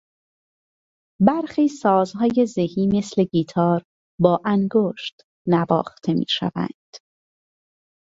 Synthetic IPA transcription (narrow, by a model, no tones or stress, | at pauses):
bæɾxiːsɒːzhɒːje̞zehiːme̞sle̞ɡiːt̪ʰɒːɾ | bɒːʔæŋɡoːʃt̪ | nævɒ̰ːxt̪ʰe̞mḭːʃæ̰væ̰nd̪̥